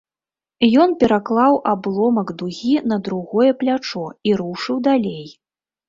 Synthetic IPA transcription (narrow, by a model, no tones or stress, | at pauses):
jɔnpʲɛɾaklˠawʔablˠɔmɐɡd̪uɣʲinɐd̪ɾuɣɔjɛplʲat͡ʂɔiɾuʂɨwd̪alʲej